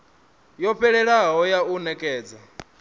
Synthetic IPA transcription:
jɔɸʰɛɺɛɺaɦɔjaunɛkʼɛːd͡za

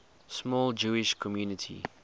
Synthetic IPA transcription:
smɔːld͡ʒuːɪʃkʰɔmjuːnɪtʰḭ

